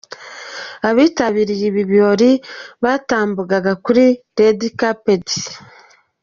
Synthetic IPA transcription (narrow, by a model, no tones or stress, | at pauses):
aβiːtaβiɾijiβiβjo̞ːɾiβaːtaːmbuɡaɡakuɾi | ɾedikapedi̥